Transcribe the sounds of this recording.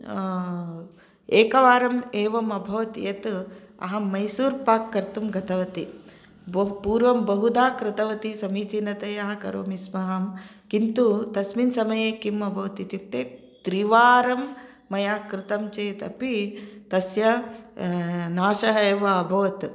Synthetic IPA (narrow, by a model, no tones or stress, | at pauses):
eːkɐʋaːɾɐmeːʋɐmɐbʱɐʋɐt̪jɐt̪ | ɐ̰ɦɐmɐjsuːɾpaːkːɐɾt̪umɡɐt̪ɐʋɐt̪i | bpuːɾʋɐmbɐɦud̪aːkɾɪt̪ɐʋɐt̪isɐmiːt͡ʃinɐt̪ɐjɐɦɐkɐ̰ɾo̰ːmismɐɦɐm | kint̪ut̪ɐsminsɐmɐjeːkimɐbʱɐʋɐt̪it̪juk̚t̪eː | t̪ɾiʋaːɾɐmː | ɐjaːkɾɪt̪ɐmt͡ʃeːt̪ɐ̰pit̪ɐsjɐ | naːʃɐɦɐeːʋɐːbʱɐʋɐt̪